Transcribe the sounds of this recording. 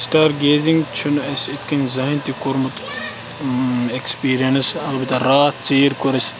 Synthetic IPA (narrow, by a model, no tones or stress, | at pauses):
sʈaːɾɡeːziŋɡt͡ʃʰunɐsit̪ʰkɐnʲzɐɦint̪ikʊɾmut̪ | ekspiːɾijɐnɐsɐlbit̪ɐɾaːt͡seːɾkʊɾɐs